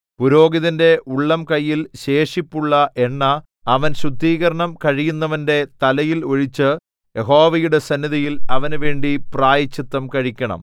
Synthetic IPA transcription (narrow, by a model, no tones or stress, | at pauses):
puɾo̞ːɡiðinde̞ʔuɭːɐmkɐjːilɕe̞ːʂipːuɭːɐʔe̞ɳːɐ | ɐʋɐnɕrud̪ːiːɣɐɾɐɳɐmkɐɻijunːɐʋɐnde̞t̪ɐlɐjilo̞ɻit͡ɕːɨ | jeɦo̞ːʋɐjuɽe̞sɐnːiðijilɐʋɐnʋe̞ːɳɖipraːjɐt͡ɕːit̪ːɐmkɐɻikʲːɐɳɐ̰m